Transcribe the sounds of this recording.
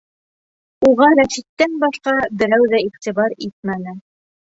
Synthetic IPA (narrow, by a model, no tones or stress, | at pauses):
uʁɑɾæʃit̪ːænbɑʃqɑbɘ̆ɾæwðæiχt̪iβɑɾit̪̚mænɘ